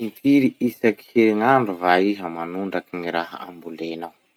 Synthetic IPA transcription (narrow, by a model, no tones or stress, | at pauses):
imfiɾiisaki̥heŋaɳɖ͡ʐuvaiɦəmanuɳɖ͡ʐakiŋiɾaɦaa̰mbulenaw